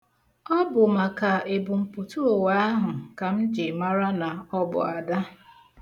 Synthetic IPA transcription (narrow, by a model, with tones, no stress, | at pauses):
ɔ˦bʊ˨ma˨ka˨e˨bʊ˨m̩˨pu˨tu˦o˨wa˦a˦ɦʊ˨ka˨m̩˦d͡ʒɪ˨ma˦ɾa˦na˨ɔ˦bʊ̰˨a˨da˦